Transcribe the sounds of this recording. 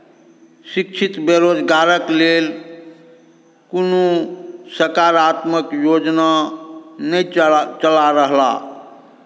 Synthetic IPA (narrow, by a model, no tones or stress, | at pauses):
sikt͡ʃʰit̪beɾod͡ʒɡaɾəklel | kunosəɾkaɾat̪məkjod͡ʒna | nəit͡ʃəlaɾəɦla̰